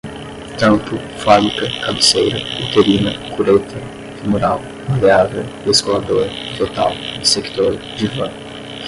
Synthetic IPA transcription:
k̪ɐ̃mpʊ | famikɐkamisejɾɐit̪eɾinɐkuɾet̪ʰɐ | fimuɾaw | maleavew | eskolad̪oɾɐ | t̪ot̪a̰wd̪ɪsekt̪oɾ | d͡ʒivɐ̃

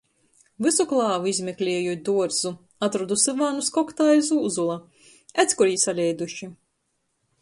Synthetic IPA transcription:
vɨsuklˠɑːvuizʲmʲɛklʲɛːjut̪̚ʲd̪uɔɾzu | at̪ɾɔd̪usɛvaːnuskɔkt̪aːizuːzulˠa | ɛt̪skuɾiːsalʲɛjd̪uʃi

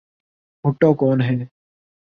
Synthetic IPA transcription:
ɦʊʈːoːkɔːnɦɛː

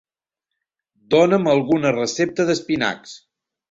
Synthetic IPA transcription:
d̪onəməlˠɣunərəsep̚t̪əðəspina̰ks

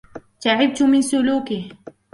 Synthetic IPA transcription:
t̪aʕɪb̚t̪ʊmɪnsʊluːkɪh

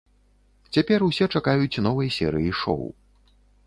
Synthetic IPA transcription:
t͡sʲapʲɛrusʲɛt͡ʂakajut͡sʲnɔvɐjsʲɛɾɨjiʂɔ̰w

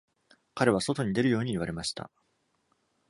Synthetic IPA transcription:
kaɾe̞βaso̞t̪o̞ɲ̟id̪e̞ɾɯ̟jo̞ːɲ̟iːβ̞aɾe̞maɕi̥t̪a̰

